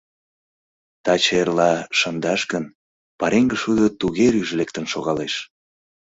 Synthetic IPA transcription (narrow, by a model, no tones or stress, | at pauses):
t̪ɑt͡ɕerlɑʃənd̪ɑʃɣən | pɑɾeŋɡəʃud̪ət̪uɣeɾyʒlek̚t̪ənʃoɣɑleʃ